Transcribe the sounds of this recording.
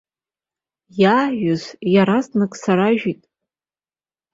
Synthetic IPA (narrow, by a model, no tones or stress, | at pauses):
jaːħʷᶣʊzjaɾaznɨkʼsaɾaʒᶣitʼ